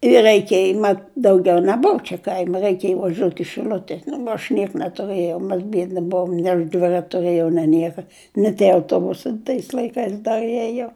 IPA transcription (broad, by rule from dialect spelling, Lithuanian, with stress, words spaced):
ɪ rʲɛɪˈkʲeːj mɐt dɐʊˈɡʲɛʊ nʲɛˈbʊw t͡ʃʲɛ kɐɪmʲ rʲɛɪkʲeːj ʋɐˈʒʲoːt ɪ ʃʲɪˈlʲʊtʲɛ nʊ ɐʃ ˈnʲiɛk nʲɛtʊˈrɘjɛʊ mʲɛs ˈbʲiɛdʲnʲɪ ˈbʊʋoːm nʲeː ɐʃ dʲʋʲɪrɐtʲ tʊˈrɘjɛʊ nʲeː ˈnʲiɛkɐ nʲɪ tʲiɛ ɐʊˈtoːbʊsɐɪ tɐɪs lˠɐɪˈkɐɪs ˈdɐr ˈiɛjoː